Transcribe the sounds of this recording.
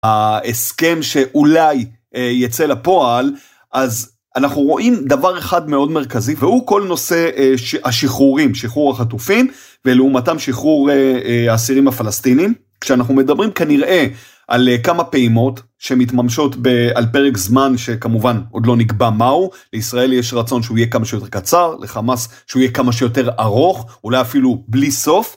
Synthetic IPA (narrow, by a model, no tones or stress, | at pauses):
aeske̞mʃe̞ʔulaj | ejat͡se̞lapo̞al | ʔaz | anaχnuʁo̞ʔimdavaʁe̞χadmeo̞dmeʁkazivehuko̞lno̞se̞ʃhaʃiχuʁimʃiχuʁhaχatufim | veleumatamʃiχuʁeaːsiʁimafalastinim | kʃeanaχnume̞dabʁimkaniʁʔe̞ | ʔalkamapeimo̞t | ʃeemitmamʃo̞tbealpe̞ʁekzmanʃekamuvanod̪lo̞niɡbamauleisʁae̞ljeʃʁat͡so̞nʃeuijekamaʃejot̪eʁkat͡saʁleχamas | ʃeuijekamaʃ̬ejo̞te̞ʁaʁo̞χulajafilubliso̞f